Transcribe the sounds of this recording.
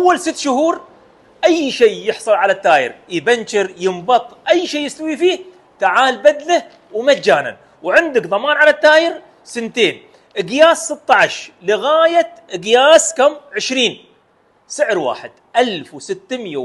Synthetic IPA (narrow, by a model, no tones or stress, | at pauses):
ʔawːalsɪt̪ːʃʊhuːɾ | ʔajːʃeːjɪħsˤʊlʕalat̪ːaːjɪ̰ɾjɪbant͡ʃɪɾjɪmbɑt̪ˤʔajːʃeːjɪst̪awifiːh | t̪aʕaːlbad̪la | wmad͡ʒːaːna̰n | wʕɪnd̪ɪkðˤɑmaːnʕalat̪ːaːjɪɾ | sɪnt̪eːn | ʔɪɡjaːsːɪt̪ːɑʕaʃlɪɣaːjat̪ʔɪɡjaːskamʕɪʃɾiːn | sɪʕɾwa̰ːħɪd̪̥ʔalfwsɪt̪ːmja